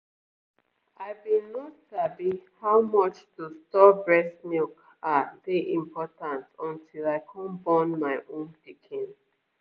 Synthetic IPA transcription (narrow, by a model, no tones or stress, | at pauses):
aɪbĩnotsabihawmɔt͡ʃtustɔbɹɛsnik | aðeʔĩmpʰɔtãntɔ̃ntʰilaɪkʰɔ̃nbɔnmaɪʔõnpikʰĩn